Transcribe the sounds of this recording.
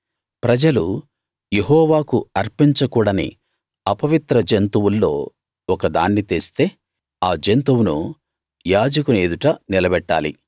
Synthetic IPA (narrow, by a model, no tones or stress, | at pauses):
pɾɐd͡ʒɐlu | jeɦɔːʋaːkuɐɾpiɲt͡ʃɐkuːɽɐnḭ | ɐpɐʋit̪ɾɐd͡ʒent̪uwulːo̞ː | ɔkɐd̪a̰ːnːit̪eːst̪e̞ː | aːd͡ʒent̪uwunṵ | jaːd͡ʒɐkuneːd̪uʈɐnilɐbɛʈːa̰ːlḭ